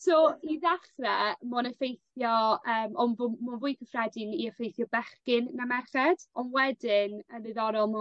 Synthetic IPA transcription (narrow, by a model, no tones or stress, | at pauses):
sɔiðaχrɛmɔnəfejθjɔəːmɔnvmɔvʊːjkʰəfrɛdɪniəfejθjɔbɛχkɪnːamɛrχɛd̥ɔnwɛdɪnənɨðɔɾɔlˠmɔ